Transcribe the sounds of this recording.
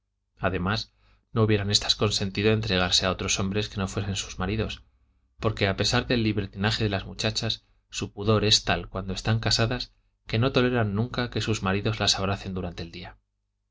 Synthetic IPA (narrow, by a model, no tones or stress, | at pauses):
aðe̞mas | no̞uβje̞ɾane̞st̪ḁsko̞nse̞nt̪iðoent̪ɾe̞ɣ̞aɾse̞ao̞t̪ɾo̞so̞mbɾe̞ske̞no̞fwe̞se̞nsu̥zmaɾiðo̞s | po̞ɾke̞ape̞saɾðe̞lːiβe̞ɾt̪inaxe̞ðe̞lazmut͡ʃat͡ʃasː | upuðo̞ɾe̞st̪alkwand̪o̞e̞st̪aŋkasaðas | ke̞no̞t̪o̞le̞ɾanːũŋkake̞suzmaɾiðo̞zlasaβɾaθe̞nd̪uɾant̪e̞ːld̪ia